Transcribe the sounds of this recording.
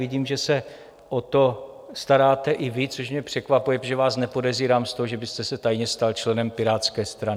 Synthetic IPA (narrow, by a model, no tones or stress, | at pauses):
vɪɟiːmʒɛsɛ | ʔot̪o̞ | st̪aɾaːt̪ɛʔɪvɪt͡soʃmɲɛpr̝̥ɛkvapujɛʒɛvaːsnɛpo̞dɛziːɾaːmst̪oɦoʒɛbɪst̪ɛsɛt̪ajɲɛst̪alt͡ʃlɛnɛmpɪɾaːt̪t͡skɛːst̪ɾanɪ